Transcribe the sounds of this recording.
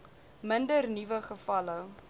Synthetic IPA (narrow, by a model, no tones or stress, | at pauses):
məndərnivəχəfɐlə